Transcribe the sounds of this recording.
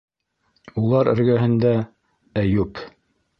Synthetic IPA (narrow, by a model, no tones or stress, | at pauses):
ulˠɑɾɘ̰̆ɾɡæɦɘ̆nd̪æ | æjʉp